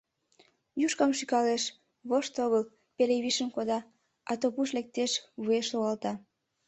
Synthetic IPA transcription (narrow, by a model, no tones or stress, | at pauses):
juʃkɑmʃykɑleʃ | βoʃt̪oɣəl | peleβiʃəmkod̪ɑ | ɑt̪opuʃlek̚t̪eʃβueʃloɣɑlt̪ɑ